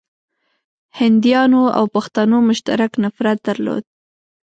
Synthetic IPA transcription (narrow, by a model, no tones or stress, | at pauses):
hɪnd̪jɑnoa̰wpaxt̪anomʊʃt̪a̰ɾaknafɾat̪̚d̪aɾlo̰d̪̚